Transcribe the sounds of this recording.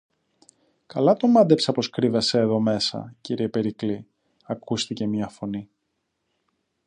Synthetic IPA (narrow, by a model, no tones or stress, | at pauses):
kɐlɐt̪o̞mɐd̪e̞psɐpo̞skɾivese̞ːðo̞me̞sɐ̰ciɾiepe̞ɾikli | ɐkust̪ice̞mɲɐfo̞ni